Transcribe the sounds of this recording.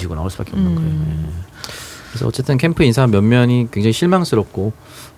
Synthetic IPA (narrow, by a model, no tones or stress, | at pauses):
iɡona̰oɭs͈uba̰keʌmkʰaoe | kɯɾesʰʌʌt͡ɕ͈e̞t͈ɯnkʰe̞mpʰɯinsʰamjʌnmjʌɲikweŋd͡ʑaŋiɕʰiɭmaŋs͈ʰɯɾʌp̚k͈o